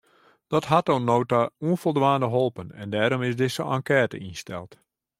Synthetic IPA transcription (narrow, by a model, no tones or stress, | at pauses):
d̥ɔtɦatonːoːtauənfɔlˠdʋaːndəɦolˠpənɛ̰ndɛːɾɔmɪsdɪsəʔa̰ŋkɛːtə̰instɛ̰lˠt